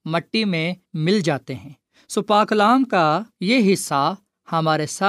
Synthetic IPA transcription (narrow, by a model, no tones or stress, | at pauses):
mɐʈːimẽ | mɪld͡ʒaːt̪eɦɛ̃ː | sʊpaːklaːmkajeɦɪsːa | hɐmaːɾesa